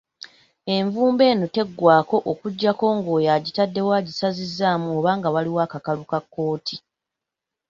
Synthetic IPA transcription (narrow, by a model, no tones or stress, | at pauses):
e̞ɱvuːmbe̞ːnote̞ɡːwaːko̞ʔokuɟːako̞ːŋɡo̞ːjaɟitadːe̞waːɟisazizːaːmuoβaːŋɡawaliwaːkakalukakːo̞ːtʰi